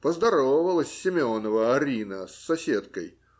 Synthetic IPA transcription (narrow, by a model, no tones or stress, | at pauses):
pəzd̪ɐɾovəvəlˠəsʲːɪmʲonəvəɐɾʲinəsːɐsʲet̪̚kəj